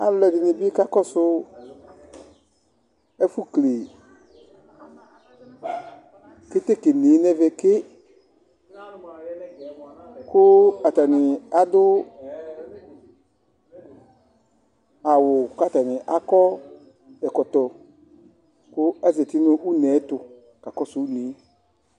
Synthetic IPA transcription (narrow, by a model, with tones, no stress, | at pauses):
a̰˨lɛ˨dɪ˨nɪ˨bi˦ka˦kɔ˦sʊ˦ | ɛ˦fu˦kle˨ | ke˦t̪e˦ke˨ni˨˦nɛ˦ve˨kɪ˦ | kʊ˦a˨ta˨nɪ˨a˨dʊ˦ | a˨wʊ˨ka˦˨ta˨nɪ˨ʔa˦kɔ˦ | dɛ˨kɔ˨tɔ˨ | kʊ˦ɛ˦zɛ˨tɪ˦nʊ̃˦ʔu˦nɛ˨˦tʊ˨ | ka˨kɔ˦su˨˦ne˨˦